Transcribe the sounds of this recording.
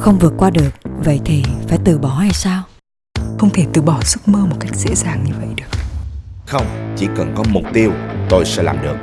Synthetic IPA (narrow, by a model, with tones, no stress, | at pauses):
xə˧wŋ͡mvɨ˨˩ət̚kwaː˧ɗɨ˨˩ək̚və̰˧˨jt̪ʰi˨˩faː˧˩˦jt̪ɨ˨˩ɓɔ˧˩ha˧˩jsaː˧w | xə˧wŋ͡mt̪ʰe˧˩t̪ɨ˧˩ɓɔ˧˩su˦˥t̚məː˧mo˨˩t̚ka˦˥jk̟̚zḛ˧˥zaː˨˩ŋɲɨ˧və̰˧˨jɗɨ˨˩ək̚xə˧wŋ͡mt͡ɕḭ˧˩˥kə˨˩nkɔ˨˦mʊ˨˩k͡p̚t̪i˧əwt̪o˧jsɛ̰˧˥laː˨˩mɗɨ˨˩ək̚